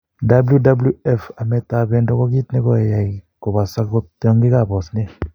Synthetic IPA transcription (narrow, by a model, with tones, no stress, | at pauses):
da˦blju˦da˦blju˦ɛ˦fa˨mɛ˨ta˨βɛ˦ndɔ˦kɔ˦ɡi˦t̪ne˦kɔ˨e˨ja˨i˨ko˨ba˨sa˦o˦tɔ˦ŋɡi˦ka˦˨bɔ˨sne˦